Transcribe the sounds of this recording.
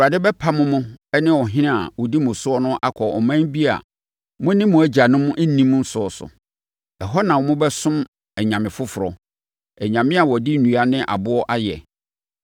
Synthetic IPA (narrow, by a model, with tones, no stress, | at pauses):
a˨dɪ˦bɛ˦pʰa˦mʊ̃˦mʊ̃˦ɛ˦nɪ̃˦wɔ˨ɦɪ̃˦nɪ̃˦a̰˨wɔ˨di˦mʊ̃˨sʊ˦ɔ˦nʊ̃˦ʔa˦kʰɔ˨ɔ̰˨mã˦bi˦a̰˨ | mʊ̃˦nɪ̃˦mʊ̃˨˦æ˦d͡ʑa˨nʊ̃˦mʊ̃˦ʔɛ˦nĩ˦mʊ̃˦n̩˦sʊ˦ɔ˨sʊ̰˨ | ɛ˨ɦɔ˦nã˨wɔ˨mʊ̃˦bɛ˦sʊ̃˦m | ɛ˨ɲã˨mɪ̃˨fʊ˦fʊ˨ɾɔ˨ | ɛ˨ɲã˨mɪ̃˦a˨wɔ˨di˦nũ˨a˦nɪ̃˦ʔa̰˨bʊ˦ɔ˦ʔa˦jɛ̰˨